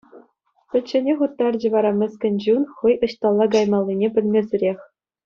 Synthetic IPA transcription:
pʲɘ̆t͡ɕːɘ̆nʲeχut̪ːɑrd͡ʑɘ̆ʋɑɾɑmʲɘ̆sʲkʲɘ̆nʲd͡ʑunχɤjɤ̆ɕt̪ɑlˠːɑɡɑjmɑlʲˠːinʲepʲɘ̆lʲmʲezʲɘrʲexʲ

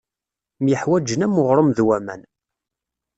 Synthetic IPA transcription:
mjəħwæd͡ʒənæmʊʁɾˤəmðwæmæ̰n

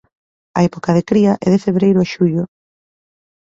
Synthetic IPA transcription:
ɐ̰ɛpokaðekɾiɐʔɛ̰ðefeβɾejɾʊaʃuʎʊ

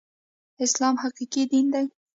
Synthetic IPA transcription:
ɪslɑmhaqiqid̪ind̪aj

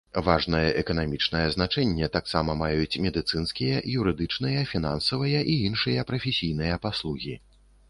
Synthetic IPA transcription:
vaʐnɐjɐʔɛkɐnamʲit͡ʂnɐjɐzn̪at͡ʂɛnʲːɛt̪aksamɐmajut͡sʲmʲɛd̪ɨt̪sɨnskʲijɐjuɾɨd̪ɨt͡ʂnɨjɐfʲin̪ansɐvɨjɐʔiinʂɨjɐpɾɐfʲesʲijnɨjɐpaslˠuɣʲi

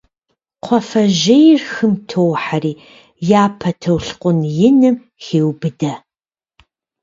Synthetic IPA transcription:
qʷʰɔfɐʒɪjrxɨmtʰowħariː | jaːpʰɐtʰɐwɬqʷʼʊnjɪnɨm | xeːwbɨdɐ

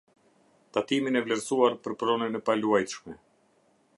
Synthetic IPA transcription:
t̪at̪iminɛvlɛɾsuaɾpəɾpɾɔnɛnɛpaluajt̪ʃmɛ

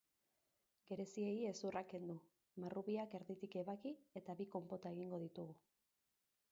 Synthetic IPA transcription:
ɡe̞ɾe̞sie̞je̞surake̞nd̪u | marʔuβiake̞ɾðit̪ike̞βakie̞t̪aβiko̞mpo̞t̪ae̞ɣ̞iŋɡo̞ð̞it̪uɣu

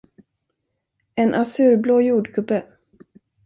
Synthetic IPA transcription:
ɛnʔasʉ̟ːɾbloːjuːɖkʰɵbə

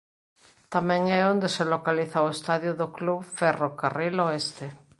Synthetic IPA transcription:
t̪amɛ̃ŋɛõnd̪eselokaliθawest̪aðjʊðokluβfɛrokariloest̪e

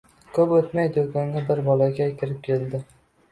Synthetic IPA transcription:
kʰɵpɵt̪majd̪oɡʲannɪbɪɾbɒlaɡʲakʲʰɪɾɪp̚kʲʰeld̪ɪ

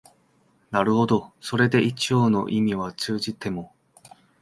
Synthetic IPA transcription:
naɾɯ̟ho̞d̪o̞so̞ɾe̞d̪e̞it͡ɕio̞ːno̞̰ʔimʲiβ̞at͡sɨːʑit̪e̞mo̞

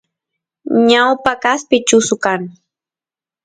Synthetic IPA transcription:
ɲawpakaspɪt͡ʃʊsʊkaŋ

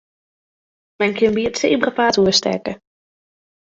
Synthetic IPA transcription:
mɛjnkɪnbiːtseːbrapaːtuəstɛ̰ɹkə

